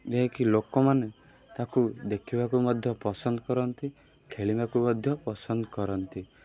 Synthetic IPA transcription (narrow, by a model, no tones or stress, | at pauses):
d͡ʒeɦẽkilokɔmane | t̪akud̪ekʰibakumɔd̪ʱjɔpɔsɔnd̪ɔkɔɾɔnt̪i | kʰeɭibakumɔd̪ʱjɔpɔsɔnd̪ɔkɔɾɔnt̪i